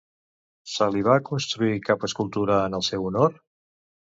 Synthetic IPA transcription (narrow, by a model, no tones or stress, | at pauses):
səliβ̞akunst̪ɾuikapəskulˠt̪uɾəːnəlˠsɛwunoɾ